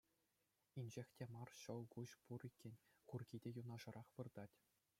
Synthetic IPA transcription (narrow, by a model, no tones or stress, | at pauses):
inʲd͡ʑexʲtʲemɑrɕɤ̆lˠkuɕpurikʲːĕnʲkurɡʲidʲejunɑʐɤ̆ɾʔɑχʋɯrd̪ɑtʲ